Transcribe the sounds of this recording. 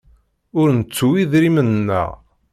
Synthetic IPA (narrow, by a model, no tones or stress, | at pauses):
ʊɾnət͡sːuwiðɾimənːə̰ʁ